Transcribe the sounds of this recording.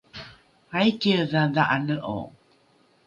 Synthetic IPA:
ajkəðaðaʔanəʔo̰

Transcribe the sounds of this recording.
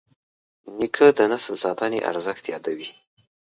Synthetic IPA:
nikʰəd̪ənasəlsɑt̪ɑnḛʔa̰ɾzəxt̪jɑd̪awi

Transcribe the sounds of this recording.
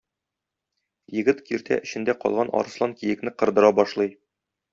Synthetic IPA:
jɘ̆ɡɘt̪kiɾt̪ʰæ̰ʔɘ̆ɕɘ̆nd̪æqɒ̰lˠʁɑnʔɒ̰ɾɤ̆slˠɑŋkijɘ̆knɘqɤ̆ɾd̪ɤ̆ɾɑbɒʃlˠɤj

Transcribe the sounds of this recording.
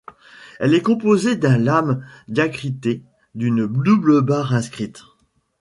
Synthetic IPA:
ɛlɛkɔ̃pozed̪ɛ̃lamd̪jakχit̪e | d̪ynd̪ubləbaʁɛ̃skχit̪

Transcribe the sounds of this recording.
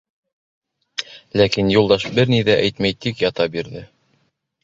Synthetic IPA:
lækinjulˠd̪ɑʃbɘɾniðæʔæjt̪mæjt̪ikjɑt̪ɑbiɾðɘ

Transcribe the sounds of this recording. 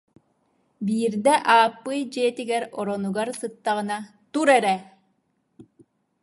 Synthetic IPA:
biːɾd̪ɛʔaːpːɯjd͡ʒiːt̪iɡɛɾɔɾɔnuɡaɾsɯt̪ːaʁɯna | t̪uɾɛɾɛ

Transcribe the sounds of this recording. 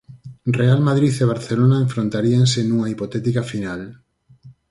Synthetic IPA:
realmaðɾiθeβ̞aɾθelonaẽɱfɾont̪aɾiansenuŋaipot̪ɛt̪ikafinal

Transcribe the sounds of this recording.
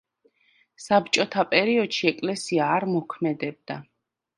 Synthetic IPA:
sapt͡ʃʼɔt̪ʰapʼɛɾiɔd̪̥ʃiɛkʼlɛsiaːɾmɔkʰmɛd̪ɛb̚d̪a

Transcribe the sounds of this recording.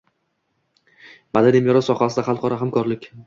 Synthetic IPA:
mad̪animjɒɾɒsɒχasɪd̪aχɑlˠqɒɾaɦamkʰɒɾlɪkʲ

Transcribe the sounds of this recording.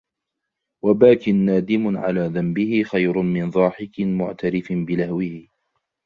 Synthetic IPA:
wabaːkɪnːaːd̪ɪmʊʕa̰laːðambɪhɪxajɾʊmɪnðˤɑːħɪkɪmʊʕt̪aɾɪfbɪlahwɪhɪ

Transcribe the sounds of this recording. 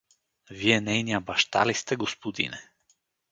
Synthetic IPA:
viɛnɛjnijabaʃt̪a̰list̪ɛɡospod̪ḭnɛ

